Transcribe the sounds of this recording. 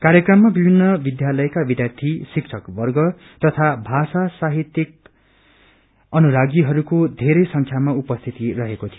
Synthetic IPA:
kaɾjʌkrʌmːabibʱinːʌbid̪jalʌjkabid̪jart̪ʰisikt͡sʰʌkbʌrɡʌ | t̪ʌt̪ʰabʱasasaɦit̪jik̚ | ʌnuɾaɡiɦʌɾukod̪ʱeɾʌjsʌŋkʰjamaupʌst̪ʰit̪iɾʌɦekot̪ʰijo

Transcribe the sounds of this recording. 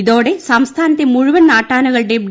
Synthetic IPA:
iðoːɽesɐmst̪ʰaːnɐt̪ːemuɻʊʋɐnnaːʈːaːnɐɣɐɭɖeb̚ɖ

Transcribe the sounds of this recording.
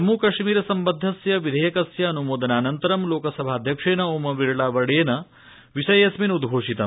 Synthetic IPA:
ɐmːuːkɐʂmiːɾɐsɐmbɐd̪ʱːɐsjɐʋid̪ʱɐjɐkɐsjɐːnumoːd̪ɐnaːnɐnt̪ɐɾɐmloːkɐsɐbʱaːɐd̪ʱjɐkʂeːnɐoːmɐʋiɭɐɭaːʋɐɽeːnɐ | ʋiʂɐjɐsminud̪ɡʱoːʂit̪ɐ

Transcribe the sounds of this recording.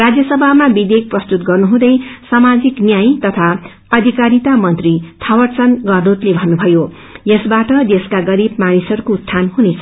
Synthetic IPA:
rad͡zjʌsʌbʱamabid̪ek̚prʌst̪ut̪ɡʌrnuɦũd̪ʌjsamad͡ziknjajt̪ʌt̪ʰa | ʌd̪ʱikaɾit̪amʌnt̪rit̪ʰʌwʌrt͡sʌnɡʌrd̪ut̪lebʱʌnːubʱʌjo | jʌsbaʈʌd̪eskaɡʌɾib̚manisʌɾukost̪ʰanɦunet͡sʰʌ̥

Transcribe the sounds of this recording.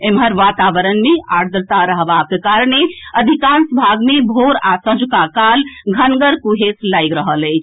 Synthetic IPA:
emɦəɾʋat̪aʋəɾənmeʔaɽd̪ɾt̪aɾəɦbakekaɾneəd̪ʱikansəbʱaɡmebʱoɾasə̃d͡ʒukakalɡʱənɡəɾkuɦeslajɡɾəɦələjt͡ʃʰ

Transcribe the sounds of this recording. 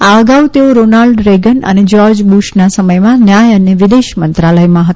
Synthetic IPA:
aəɡaʋut̪eoɾonalɖɾeɡənə̰ned͡ʒɔɾd͡ʒbuʃnasəməjmãnjajəneʋɪd̪eʃmənt̪ɾaləjmãɦət̪

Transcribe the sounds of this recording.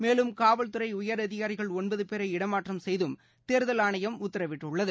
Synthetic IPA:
meːlɯmkaːʋɐɭt̪ɯɾɐɪʊjɐɾɐðɪɣaːɾɪɣɐɭɔnbɐðɯpeːɾɐɪɽɐmaːʈrɐmsɛjðɯm | t̪eːɾɯðɐlaːɳɐjɐmʊt̪ːɐɾɐʋɪʈːɯɭːɐðɯ

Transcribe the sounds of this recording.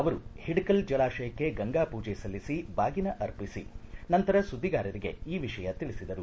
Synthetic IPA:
ɐʋɐɾuhiɖkɐld͡ʒɐlaːʃɐjɐkːe̞ɡɐŋɡaːpuːd͡ʒɛsɐlːisibaːɡinɐʔɐɾpisḭnɐnt̪ɐɾɐsud̪ʱːiɡaːɾɐɾiɡe̞̰iːʋiʂɐjɐt̪iɭisid̪ɐɾu

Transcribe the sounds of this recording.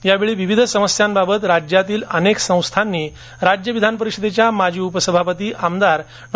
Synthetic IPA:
jaʋeɭiːʋiʋid̪ʱsəməsjambabət̪ɾad͡ʑjat̪iːləneksə̃w̃st̪ʰanːiː | ɾad͡ʑjəʋid̪ʱanp̬əɾikɕəd̪et͡ɕjamad͡ʑʱiːupəsəbʱapət̪iːamd̪aɾ | n

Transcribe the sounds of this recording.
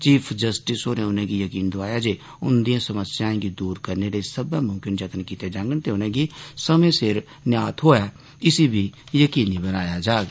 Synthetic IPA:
t͡ʃiːpʰd͡ʒəsʈɪsoneʊnɦẽkijəkiːnd̪ʊaːjad͡ʒeː | ʊ̰nd̪ijãsəməsjaẽkid̪uːɾkəɾneɾesəbãmʊ̃mkɪnd͡ʒət̪ənkiːt̪ed͡ʒãːŋɡənt̪eʊnɦẽɡisəmẽsɪɾ | njaːt̪ɦoːa | ɪsibʱijəkiːnibənaːjad͡ʒaːɡ

